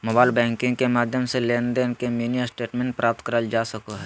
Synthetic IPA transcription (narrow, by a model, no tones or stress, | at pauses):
moːbaːɪlbɛ̃ːŋkɪ̃ŋɡkemaːd̪ʱjəmseleːnd̪enkemunijəsʈeːʈmẽːɳʈ̚pɾʔaːp̚t̪kəɾəld͡ʒaːsəkoɦɛ